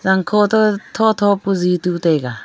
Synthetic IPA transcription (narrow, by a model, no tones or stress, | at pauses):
zaŋkʰɔt̪ɔt̪ʰɔt̪ʰɔpuzit̪ut̪eɡa